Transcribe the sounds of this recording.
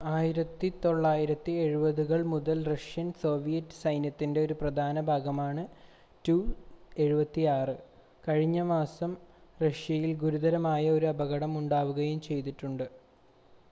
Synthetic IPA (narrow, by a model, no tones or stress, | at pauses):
aːjiɾɐt̪ːit̪o̞ɭːaːjiɾɐt̪ːie̞ɻubɐðuɣɐɭmuðɐlrɐʂjɐnso̞ːʋijɐtːɨ̥sɐjnjɐt̪ːinde̞o̞ɾuprɐd̪ʱaːnɐbʱaːɡɐmaːɳɨ | tuːe̞ɻubɐt̪ːiaːrɨ | kɐɻiɲːɐmaːsɐmrɐʂjɐjilɡuɾud̪ɐɾɐmaːjɐo̞ɾuɐbɐɣɐɽɐmuɳɖaːʋuɣɐjumt͡ɕe̞jt̪iʈːuɳɖɨ